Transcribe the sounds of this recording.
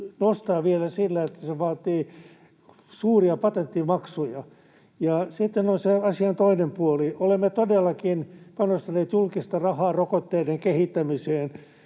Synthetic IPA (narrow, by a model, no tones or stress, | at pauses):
nost̪ɑːʋielæsilːæet̪ːæseʋɑːt̪iː | suːriɑpɑt̪ent̪ːimɑksujɑ | jɑsit̪ːenonseɑsiɑnt̪oinempuoliolemːet̪odelːɑkinpɑnost̪ɑneːt̪julkist̪ɑrɑhɑːrokot̪ːeideŋkehit̪ːæmiseːn